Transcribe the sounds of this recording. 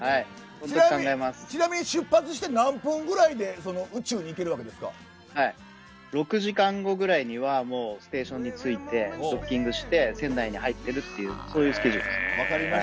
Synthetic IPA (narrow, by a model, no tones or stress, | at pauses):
hai | honokãŋɡaemasɨ̥t͡ɕinamʲiɲ̟iɕɨpːat͡sɨɕ̬i̥t̪e̞nãmpɯ̃ŋɡɯ̟ɾaid̪e̞so̞no̞ɯ̟t͡ɕɨːɲ̟iːke̞ɾɯ̟βake̞d̪esɨ̥ka̰ | hai | ɾo̞kɯ̟ʑikãŋɡo̞ɡɯ̟ɾaiɲ̟iβamo̞ːsɨ̥t̪e̞ːɕõ̞ɲ̟ːit͡sɨit̪e̞okʲːĩŋɡɯ̟ɕi̥t̪e̞sẽ̞nːaiɲ̟ihait̪ːe̞ɾɯ̟t̪ːe̞jɯ̟ːso̞ːjɯ̟ːsɨ̥keʑid̪esɨ̥ɾia